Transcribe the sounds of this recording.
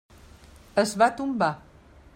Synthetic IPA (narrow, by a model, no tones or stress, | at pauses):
əsβat̪umba